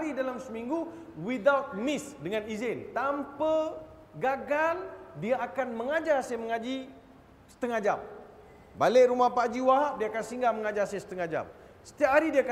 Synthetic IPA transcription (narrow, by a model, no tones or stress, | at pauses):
ɾidalamsəmiŋɡu | wid̪awt̪̚mɪsdəŋãnizɪnt̪ampə | ɡaɡaldiaakanmə̃ŋad͡ʒasajməŋad͡ʒi | sə̥t̪əŋad͡ʒa̰m | baleʔɾumahpad͡ʒiwaɦaʔdiaakansiŋɡaməŋad͡ʒasajsə̥t̪əŋad͡ʒa̰m | sə̥t̪iap̚haɾidiaka